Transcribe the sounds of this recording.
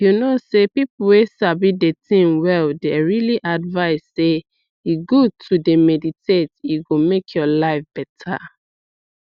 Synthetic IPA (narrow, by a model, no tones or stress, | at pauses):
junosepipuwesabidetĩmwɛldɛɹiliʔadvaɪsːe | jiɡutʰudemɛditʰetjuɡomekʰjɔlaɪfb̥ɛtʰa̰